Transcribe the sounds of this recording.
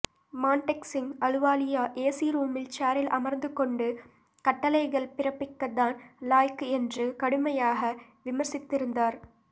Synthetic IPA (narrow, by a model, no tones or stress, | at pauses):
maːɳʈɛksɪŋɐɻɯʋaːlɪjaːʔeːsiːɾuːmɪlt͡ʃaːɾɪlʔɐmɐɾnd̪ɯkɔɳɖɯ | kɐʈːɐlɐɪɣɐɭpɪrɐpːɪkːɐðaːnlaːjkɛndrɯkɐɽɯmɐjaːɣɐ | ʋɪmɐɾsɪt̪ːɪɾɯnd̪aːɾ